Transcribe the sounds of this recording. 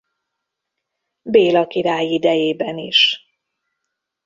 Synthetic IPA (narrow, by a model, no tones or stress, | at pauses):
beːlɒkiɾaːjid̪ɛjeːbɛniʃ